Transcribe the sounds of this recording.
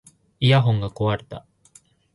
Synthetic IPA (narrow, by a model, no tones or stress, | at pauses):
ijaɦõ̞ŋɡako̞βaɾe̞̥t̪a̰